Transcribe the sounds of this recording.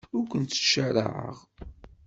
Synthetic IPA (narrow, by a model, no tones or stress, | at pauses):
ʊɾkʷənt̪ːəʃəɾə̰ʕə̰ʁ